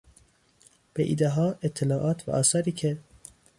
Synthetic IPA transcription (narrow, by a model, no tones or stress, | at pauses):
b̥eʔḭːd̪eɦɒːet̪ʰːelɒːʔɒːt̪ʰvæ̰ʔɒːsɒːɾiːcʰe